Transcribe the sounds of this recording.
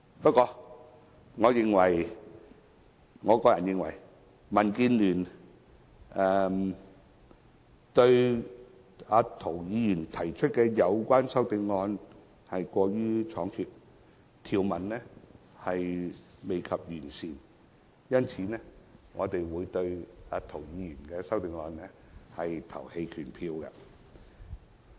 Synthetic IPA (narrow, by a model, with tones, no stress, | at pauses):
pɐ˥t̚kːɔː˧ | ŋɔː˨˧jɪ˨ŋwɐ˨˩j | ŋɔː˨˧kɔː˧jɐ˨njɪ˨˧ŋwɐ̰˨˩j | mɐ˨˩nkiː˧nlyː˨˩n | ʔɛː˨˧m | t̪ɵ˧ɥ | aː˨˧t̪ʰo˨˩wjiː˨˧jyː˨˩nt̪ʰɐ˨˩jt͡ʃʰɵ˥t̚kɛː˧jɐ˨˧wkʷaː˥nsɐ˥wt̪e˧jŋɔː˧n | hɐ˨jkʷɔː˧ɥyː˥t͡sʰɔː˨˧˥ŋkʰyː˨t̚ | t̪ʰiː˨˩wmɐ˨˩nnɛː˥ | hɐ˨jme˨jkʰɐ˨p̚jyː˨˩nsiː˨n | jɐ˥nt͡sʰiː˨˧˦nɛː˥ŋɔː˨˧t̪e˨jwuː˨˧jt̪ɵ˧ɥaː˨˧t̪ʰo˨˩wjiː˨˧jyː˨˩nkɛː˧sɐ˥wt̪ɪ˧ŋːɔː˧nnɛ˥ | hɐ˨jt̪ʰɐ̰˨˩whe˧jkʰyː˨˩npʰiː˧wkɐ̰˧